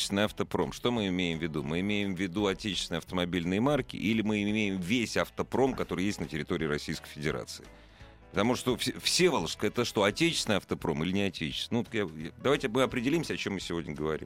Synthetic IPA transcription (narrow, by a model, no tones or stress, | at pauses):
ɪ̥sʲnəjɐft̪əpɾo̞̰mʂt̪o̞mɨɪmʲejɪmvʲɪd̪umɨɪmʲejɪmvʲɪd̪uɐtʲet͡ɕɪ̥sʲɪnəjɐft̪əmɐbʲilʲnɨjəmarkʲɪ̰ʔilʲɪmɨɪmʲejɪmvʲesʲɐft̪əpɾo̞mkɐt̪o̞ɾɨjesʲtʲnətʲɪɾʲɪt̪o̞ɾʲɪːɾɐsʲijskə̥jfʲɪdʲɪɾa̰t̪sɨɪ | pə̥t̪ɐmuʂt̪o̞fsʲfsʲevəlˠəʂskəɛt̪əʂt̪o̞ɐtʲet͡ɕɪ̥stʲɪnjɐft̪əpɾo̞̰mɨlʲɪnʲɪɐtʲet͡ɕɪ̥sʲnut̪jajad̪ɐvajtʲɪmɨɐpɾʲɪdʲɪlʲimsʲəɐt͡ɕo̞mːɨsʲɪvʲo̞dʲnʲəɡəvɐɾʲḭm